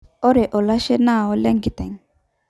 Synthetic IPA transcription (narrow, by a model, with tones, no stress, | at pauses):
ɔ˦ɾɛ˨ʔɔ˨la˦ʃɛ˦naː˦˨ɔ˦lɛ˦ŋɡi˨t̪ɛ˨ŋ